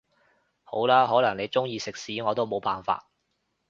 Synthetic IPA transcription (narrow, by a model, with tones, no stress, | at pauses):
ho˨˥wlaː˥ɦɔː˨˥lɐ˨˩ŋne˨˧jt͡sʊ˥ŋjiː˧sɪ˨k̚siː˨˥ŋɔː˨˧t̪o˥wmo˨˧wpaː˨nfa̰ː˧t̚